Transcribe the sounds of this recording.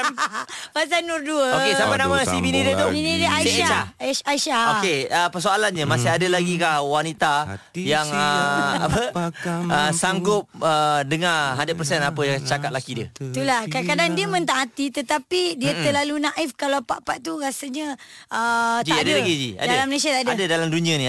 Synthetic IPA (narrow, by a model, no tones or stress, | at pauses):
pas̬anurduəoesampajnamasibinidət̪ubinĩdəaiaaaiʃaokeəpəsoalanɲəmasɪɦadəlaɡikahwanit̪ajaŋəa̰pə | əsaŋɡʊp̚ədəŋaɦadapərsɛnapəjat͡ʃakat̪̚lakidiət̪ulahkakadaŋdiəmə̃nt̪aŋat̪it̪ət̪apidiət̪əlalunaʔifkalapa̰ʔpaʔt̪uɾasəɲə̃ətd͡ʒiadəlaɡid͡ʒia̰dalaməles̬iat̪adəadədalamdunĩani